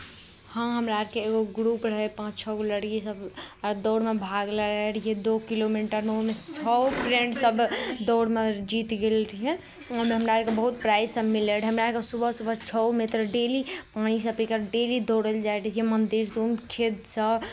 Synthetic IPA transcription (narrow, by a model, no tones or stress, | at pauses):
hə̃ɦəmɾaəɾkeːɡoɡɾupɾəɦepãt͡ʃt͡ʃʰɔɡoləɽkesəbd̪ɔʊɽmebʱaɡləɾeʈjed̪okilomiʈəɾmeoɦmet͡ʃʰɔpɾẽɳʈsəbd̪ɔːɽmed͡ʒit̪ɡelɾʰiɛ | əmɦəmɾaɾkebəɦut̪̚pɾajzsəbmileɽɦəmɾakesubʱəɦsubət͡ʃʰɔmet̪ɾɖelipañisəbikəɾɖelid̪oɽəld͡ʒajɾʰiemənd̪iɾt̪umkʰed̪səb